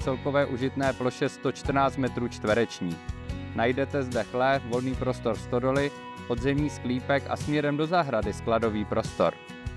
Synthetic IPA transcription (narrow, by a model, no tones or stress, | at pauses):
t͡sɛlko̞vɛːʔuʒɪt̪nɛːplo̞ʃɛst̪o̞t͡ʃt̪r̩naːt͡st̪mɛt̪ɾuːt͡ʃt̪vɛɾɛt͡ʃɲiːnajdɛt̪ɛzdɛxlɛːfvo̞lniːpɾo̞st̪o̞ɾst̪o̞do̞lɪ | po̞d̪zɛmɲiːskliːpɛkʔa̰smɲɛɾɛmdo̞zaɦɾadɪsklado̞viːpɾo̞st̪o̞̰ɾ